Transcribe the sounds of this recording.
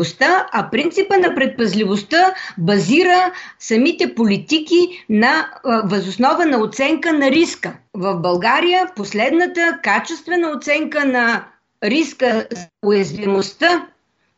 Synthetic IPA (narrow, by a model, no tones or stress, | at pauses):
ost̪əɐpɾint̪sipənɐpɾɛt̪̚pɐzlivost̪əbɐziɾəsɐmit̪ɛpolit̪ikinɐvɐzosnɔvənɐot̪sɛŋkənɐɾiskəvɐfbɐlˠɡaɾijəposlɛd̪nət̪əkat͡ʃɛst̪vɛnəot̪sɛŋkənɐ | ɾiskəzɐʊjɐzvimost̪ə